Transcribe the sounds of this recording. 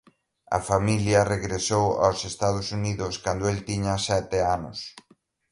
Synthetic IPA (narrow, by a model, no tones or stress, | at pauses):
ɐ̰familjɐreɣɾesowa̰wsest̪að̞ʊsuniðʊskand̪ʊelt̪iɲɐsɛt̪eanʊ̰s